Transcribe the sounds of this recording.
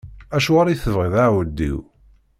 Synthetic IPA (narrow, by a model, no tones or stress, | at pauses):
æʃuʁaɾˤijθəvʁiðawəd̪ːḭw